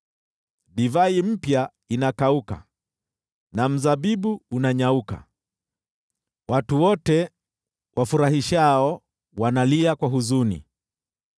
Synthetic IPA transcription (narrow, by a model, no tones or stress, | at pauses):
ɗivaim̩pja | inakauka̰ | nam̩zaɓiɓuːnaɲauka̰ | watuwɔtɛ | wʔafuɾaɦiʃaɔ | wanaliakwaɦuzunḭ